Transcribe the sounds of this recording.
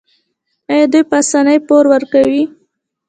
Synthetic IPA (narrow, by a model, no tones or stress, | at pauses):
ajad̪ujpəasanəjpoɾwəɾkawi